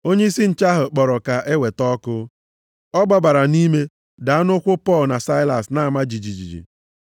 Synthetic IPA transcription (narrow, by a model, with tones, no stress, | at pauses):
o˦ɲe˦i˦si˦n̩˨t͡ʃa˦ɦʊ˨k͡pɔ˨ɾɔ˨ka˨ʔe˦we˨tɔ˦kʊ˦ | ɔ˦ɡ͡ba˨ba˨ɾa˨ni˦me˦ | da˨a˦nʊ˦kʷʊ˦pɔ˦˨lna˨sa˦ɪ˦la̰˨sna˨˦a˨ma˦d͡ʒi˨d͡ʒi˨d͡ʒḭ˨d͡ʒḭ˨